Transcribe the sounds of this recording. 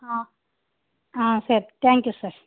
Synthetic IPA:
a | ãːseɾt̪ʰɛ̃ːŋkjusɐɾ

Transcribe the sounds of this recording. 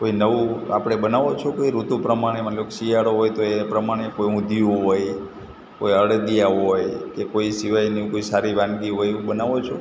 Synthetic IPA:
koinəʋũa̰pɽ̃ebənaʋot͡ʃʰokoiɾut̪ũpɾəmaɽ̃eməloksijaɽoɦojt̪oepɾəmaɽ̃ekojũd̪ʱiũɦoj | kojəɽd̪ijaɦɦɦojkekoisiʋajnĩkoisaɾibãnɡiɦoj̃bənaʋot͡ʃʰu

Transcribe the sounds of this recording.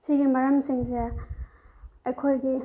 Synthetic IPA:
siɡimɐɾɐmsiŋze | ɐjkʰojɡi

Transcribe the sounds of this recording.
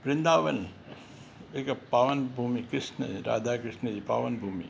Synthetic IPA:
pɾɪnd̪aːʋɐn | ekɐpaːʋɐnbʱuːmikɾɪsnə̰ɾa̰ːd̪ʱaːkɾɪʂnəd͡ʑipaːʋɐnbʱuːmḭ

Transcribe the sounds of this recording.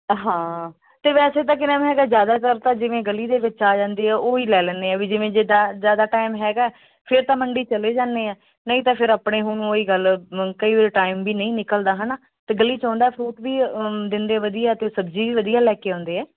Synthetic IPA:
ɦãː | t̪eːʋɛːseːt̪̬ãːkːɪnaːmɦɛːɡaːzjaːd̪aːt̪əɾt̪ãːd͡ʒɪʋẽːɡəliːd̪eːʋɪt͡ʃaːd͡ʒãːnd̪eːɛːʔoːiːlɛːlɛ̃ːnd̪eːɛːʋiːd͡ʒɪʋẽːd͡ʒed̪aːzjaːd̪aːʈaːɪmɦɛːɡaː | pʰɪɾt̪ãːməɳɖiːt͡ʃəleːd͡ʒãːnd̪eːaː | nəĩːt̪ãːpʰɪɾəpɽeːɦʊnuoːiːɡəlkəiːʋeɾʈaːɪmbiːnəĩːnɪkəld̪aːɦənaː | t̪eːɡəliːt͡ʃɔ̃ːnd̪aːpʰɾuːʈ̪biːd̪ɪnd̪eːʋəd̪ijaːt̪eːsəbd͡ʒiːʋiːʋəd̪iːaːlɛːkeːɦɔ̃ːnd̪eːɛː

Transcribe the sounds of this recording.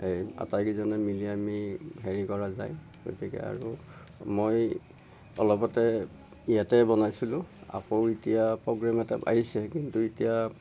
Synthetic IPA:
eja̰tajkizɔnɛmiliamiɦeɹikɔɹazaj | ɡ̥o̰tikɛ̰a̰ɹu | moj | ɔ̰lɔpɔtɛ | ijatɛbɔnajsilʊ̃a̰powitijapɹɔɡɹamɛtɛa̰ɦisɛkintuitija

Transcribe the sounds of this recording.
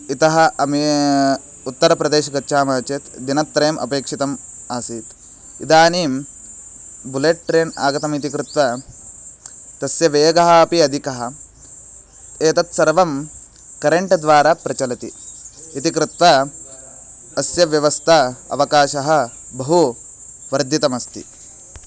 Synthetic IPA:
it̪ɐɦɐ̆ɐmi | ut̪ːɐɾɐpɾɐd̪eːʃɐɡɐtːʃʰaːmɐːɐt͡ʃet̪d̪inɐt̪ːɾejːmʔɐ̰peːkʂit̪ɐmaːsiːt̪ | ḭd̪aːniːm | buleʈ̚ʈɾeːna̰ːɡɐt̪ɐmit̪̬ikɾut̪ʋɐ | t̪ɐsjɐʋeːɡɐɦɐːpiɐd̪ʱikɐɦɐ̆ | eːt̪ɐt̪sɐɾʋɐm | kɐɾeɳʈd̪ʋaːɾapɾɐt͡ʃɐlɐt̪iit̪ikɾut̪ʋɐ | ɐsjɐʋjɐʋɐst̪ʰɐɐ̰ʋɐkaːʃɐɦɐ̆bɐɦu | ʋɐɾd̪ʱjit̪ɐmɐst̪ḭ

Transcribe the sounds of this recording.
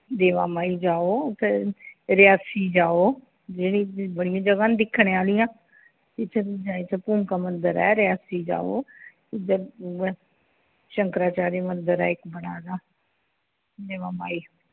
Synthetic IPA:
d̪eːʋa̰ːmaːid͡ʒaːoːt̪eɾɪjaːsid͡ʒaːoː | d͡ʒɪñĩbəɽɪjãːd͡ʒəɡaːnd̪ɪkʰːɽ̃eaːlɪjãː | t̪ɪt͡ʃʰd͡ʒaːit͡ʃʰapuːmkaːmənd̪əɾɛ̰ːɾɪjaːsiːd͡ʒa̰ːo̰ː | ɪd̪əɾ | ʃəŋkɾaːt͡ʃaːɾimənd̪əɾɛ̰ːɪkbəɽaːd̪aː | d̪eːʋaːmaːiː

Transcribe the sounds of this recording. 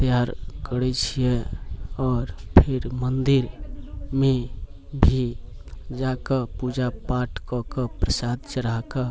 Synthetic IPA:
t̪əjaɾkəɾɛt͡ʃʰije | ɔːɾpʰɪɾmənd̪iɾmẽbʱi | d͡ʒakəpud͡ʒapaʈkɔkəpɾəsad̪̚t͡ʃəɾakə

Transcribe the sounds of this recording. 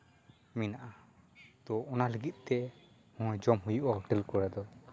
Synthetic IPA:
minaʔad̪̥ɔʔːnaləɡit̪̚ˀt̪ɛ | hɔ̃jd͡ʒɔmɦujuʔahɔʈɛlkɔɾad̪ɔ

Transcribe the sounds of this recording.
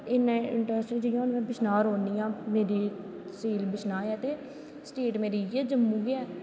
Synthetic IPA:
ɪnːãːɪɳʈəsʈiːd͡ʒijãːnmɛ̃ːbɪʃnaːɾɦoːniːãːmeːɾiː | siːlbɪʃnaːɛːt̪eː | sʈeːʈmeːɾiːjeːd͡ʒəmːũːɡɪɛː

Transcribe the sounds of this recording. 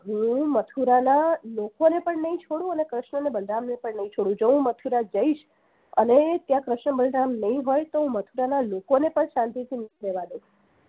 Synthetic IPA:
ɦũmət̪ʰuɾanalokonepəɳnəĩt͡ʃʰoɽũənekɾəʃɳənebəlɖamnepəɳnːəɦĩt͡ʃʰoɽũd͡ʒoɦũmət̪ʰuɾad͡ʒəiʃ | ə̰net̪jãkɾəʃɳəbəlɖamnəɦĩɦojt̪oɦũmət̪ʰuɾanalokonepəɳʃãnt̪it̪ʰinəĩɾeʋad̪ũ

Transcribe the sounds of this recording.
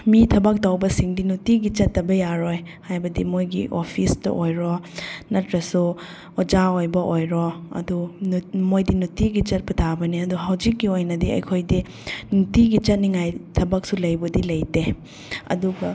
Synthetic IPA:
mitʰɐbɐk̚tawbɐsiŋdinutiɡit͡ʃɐtːɐbɐjaɾojhajbɐdimojɡiʔopʰistɐ̰ʔojɾonɐtɾɐsu | ɔd͡ʒaojbɐʔojɾoɐ̰dumojdinutiɡit͡ʃɐt̚pɐtʰabɐniɐduɦɐwd͡ʒikːiojnɐdiɐ̰jkʰojdi | nutiɡit͡ʃɐt̚niŋajtʰɐbɐk̚sulɐjbɐdilɐjte | ɐ̰duɡɐ

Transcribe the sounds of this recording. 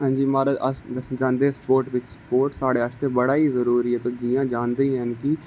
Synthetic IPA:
ɦãːɲd͡ʒiːmaːɾaʔəsd͡ʒãːnd̪eɦɛspoːɾʈʋɪt͡ʃspoːɾʈsaːɽeːət͡ʃʰt̪ebəɽaːizəɾuːɾiːɦɛːt̪oːd͡ʒijãːd͡ʒaːnd̪eiɦɛnki

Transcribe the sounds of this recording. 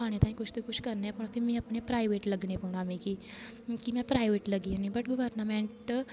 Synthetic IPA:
aɽ̃et̪ãɦĩkut͡ʃʰt̪ukut͡ʃʰkəɾneapəɳfimĩɐpɳepɾajʋeʈləɡɳepəɳamiki | kimɛ̃pɾajʋeʈləɡianibəʈɡəʋəɾnameɳʈ

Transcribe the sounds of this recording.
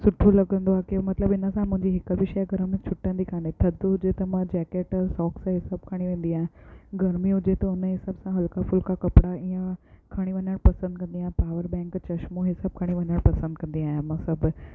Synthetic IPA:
sʊʈʰolɐɡə̃nd̪oaːkemɐt̪ləbɪnə̆sãmʊ̃ɦɪ̃ɲd͡ʑiɦɪkəbɪʃɛːɡʱɐɾmẽt͡ɕʰʊʈːə̃nd̪ikʰaːnet̪ʰɐd̪ɦʊd͡ʑet̪ɐmãd͡ʑɛːkeːʈsɔːksɦɪsaːb̚kʰaːɽ̃iʋẽːn̆d̪iaːɦẽɡɐɾmiɦʊd͡ʑet̪ɐʊnəɦɪsaːbsãɦɐlkafʊlkakɐpɽaĩjə̃kʰaːɽ̃iʋɐɲəɽ̃pɐsə̃nd̪̚kɐ̃nd̪iaːɦẽpaːʋəɾbɛ̃ːŋkt͡ɕɐʃmoɦɪsaːb̚kʰaːɽ̃iʋɐɲəɽ̃pɐsə̃nd̪̚kɐ̃nd̪iaːɦjẽmãːsɐbʱʊ̆

